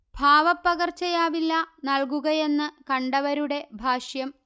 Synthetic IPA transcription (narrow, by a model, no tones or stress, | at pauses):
bʱaːʋɐpːɐɣɐrt͡ɕɐjaːʋilːɐnɐɭkuɣɐje̞nːɨkɐɳɖɐʋɐɾuɽe̞bʱaːʂjɐm